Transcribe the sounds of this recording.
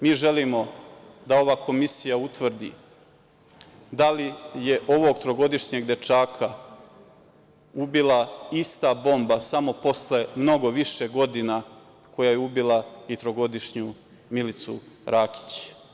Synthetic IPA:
miːʒe̞limo̞d̪ao̞ʋaːkʰo̞misijaut̪ʋr̩d̪ḭ | d̪alije̞ʔo̞ʋo̞ɡt̪ɾo̞ɡo̞d̪iʃɲeɡd̪e̞t͡ʃaːkʰa | ubilˠaist̪abo̞mbasamo̞po̞sle̞mno̞ɡo̞ʋiʃeɡo̞d̪ina | kʰo̞jaːjeubilˠait̪ɾo̞ɡo̞d̪iʃɲu | milit̪suɾʔaːki̥t͡ɕ

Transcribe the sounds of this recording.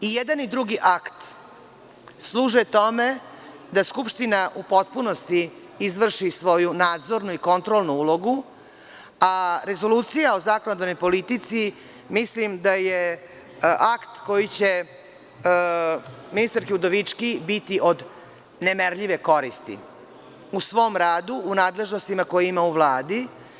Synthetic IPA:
ijed̪anid̪ɾuɡiʔakt̪ | slˠuːʒet̪o̞me | d̪askupʂt̪inaʔupo̞t̪punost̪i | izʋr̩ʃisʋo̞junaːd̪zo̞ɾnuiko̞nt̪ɾolˠnuuːlˠoɡu | aɾe̞zo̞luːt̪sijaozakonod̪ʋano̞jpo̞lit̪it̪si | mislimd̪aje | ʔakt̪ko̞jit͡ɕe̞ | minist̪aɾkeud̪oʋit͡ʂkibit̪iʔo̞d̪ | nemeɾʎiʋe̞ko̞ɾist̪ḭ | usʋo̞mɾaːd̪uːnaːd̪le̞ʒnost̪imako̞jimauʋlˠaːd̪i

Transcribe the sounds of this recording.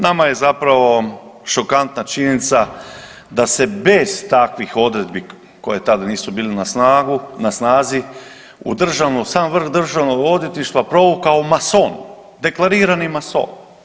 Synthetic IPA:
namaje̞zapɾaʋo̞ʃo̞kant̪nat͡ʃiɲenit̪sa | d̪ase̞be̞zt̪akʋixo̞d̪ɾe̞d̪bi | ko̞je̞t̪ad̪aniːsubiːlenasnaːɡunasnaːzi | ṵd̪r̩ʒaʋnusaːnʋr̩xd̪r̩ʒaʋnoɡo̞d̪jet̪niʃt̪ʋapɾo̞ʋukaomason | d̪e̞klˠaɾiːɾanimaso̞̰ːn

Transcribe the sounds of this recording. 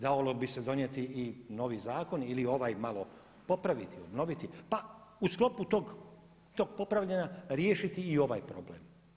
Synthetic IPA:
d̪aolobised̪o̞njet̪iːno̞ʋizaːko̞nilio̞ʋaːjmalo̞ | po̞pɾaʋit̪iobno̞ʋit̪ipausklo̞put̪oɡ | t̪oːɡ̚po̞pɾaʋʎenaɾjeːʃit̪iːo̞ʋa̰jpɾo̞blḛːm

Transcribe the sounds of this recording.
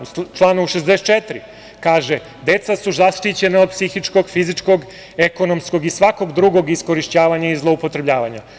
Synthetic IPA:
t͡ʃlˠaːnouʃezd̪ese̥t̪t͡ʃet̪ɾi | kaːʒe | d̪e̞t̪sasuzaʃt̪it͡ɕe̞naod̪̚psixit͡ʂko̞ɡfizit͡ʂko̞ɡ | eko̞no̞msko̞ɡisʋako̞ɡd̪ɾuɡo̞ɡisko̞ɾiʃt͡ɕaːʋaɲaizlˠo̞upo̞t̪ɾe̞bʎaːʋaɲa

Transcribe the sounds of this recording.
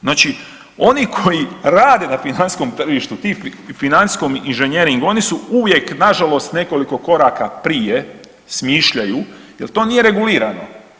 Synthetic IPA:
zaːt͡ʃi | o̞nikʰo̞jiɾaːd̪e̞nafinansi̥sko̞mt̪r̩ʒiʃt̪ut̪iffinansi̥sko̞minʒeɲje̞ɾiŋɡuo̞nisuuʋje̞knaʒalo̞st̪ne̞ko̞liko̞ko̞ɾaːkapɾije | smiʃʎaju | je̞lˠt̪o̞ːnije̞ɾe̞ɡuliːɾano̞̰

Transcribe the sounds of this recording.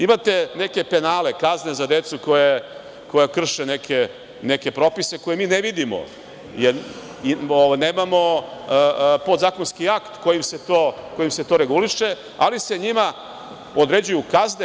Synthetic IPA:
imat̪e̞ne̞ke̞pe̞naːle̞kaznezad̪e̞t̪suko̞je | ko̞jakr̩ʃenekʰe | ne̞ke̞pɾo̞pise̞ko̞je̞miːneʋid̪imo̰ | jeɾ | ioʋajne̞ːmamo̞ | po̞d̪zaːkonskiakt̪ko̞jimse̞t̪oːko̞jimset̪o̞ːɾe̞ɡuliʃe̞ | a̰lise̞ɲima | od̪ɾe̞d͡ʑujukazne

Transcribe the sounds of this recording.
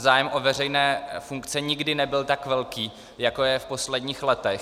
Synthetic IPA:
zaːjɛmʔo̞vɛr̝ɛjnɛːfuŋkt͡sɛɲɪɡdɪnɛbɪlt̪akvɛlkiː | jako̞jɛfpo̞slɛdɲiːxlɛt̪ɛx

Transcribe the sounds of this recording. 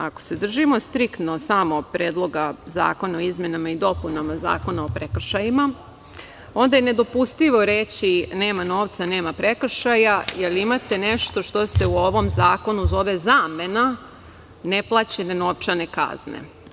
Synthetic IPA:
ako̥se̞d̪r̩ʒimo̞st̪ɾikt̪no̞samo̞pɾe̞ːd̪lˠo̞ɡaza̰ːko̞naoizmjenamaid̪o̞punamaza̰ːko̞nao̞pɾe̞kr̩ʃajima | o̞nd̪ajene̞d̪o̞pust̪iʋo̞ɾeːt͡ɕine̞ːmano̞ːʋt̪sane̞ːmapɾe̞kr̩ʃajajeliimat̪e̞neʃt̪o̞ʃt̪o̞se̞uo̞ʋo̞mzaːko̞nuzo̞ʋe̞zaːme̞na | ne̞plˠat͡ɕe̞nenoʋt͡ʃane̞ka̰znḛ

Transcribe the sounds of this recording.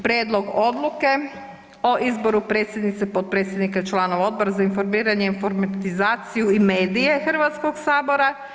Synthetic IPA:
pɾjeːd̪lo̞ɡo̞d̪luke̞ | o̞ʔizbo̞ɾupɾet̪sjed̪nit̪sepot̪̚pɾet̪sʲjed̪nikat͡ʃlˠaːno̞ʋao̞d̪bo̞ɾazainfo̞ɾmiːɾaɲeinfoɾmat̪izaːt̪sijuime̞ːd̪ije̞xr̩ʋat̪sko̞ɡsaːbo̞ɾa

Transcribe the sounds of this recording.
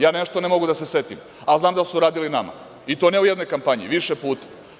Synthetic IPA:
jaːneʃt̪o̞nemo̞ɡud̪ase̞set̪im | alznaːmd̪asuɾaːd̪ilinama̰ | it̪o̞nɛujed̪no̞jkampaɲḭʋiʃepuːt̪ḁ

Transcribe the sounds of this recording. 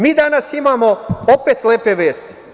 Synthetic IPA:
miːd̪anasimaːmo̞opeːt̪leːpeʋeːst̪i̥

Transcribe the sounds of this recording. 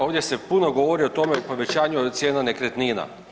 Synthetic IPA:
oːʋdje̞se̞punoɡoʋoɾiot̪o̞meupoʋe̞t͡ɕaːɲuod̪t̪sjeːnanekɾet̪niːna̰

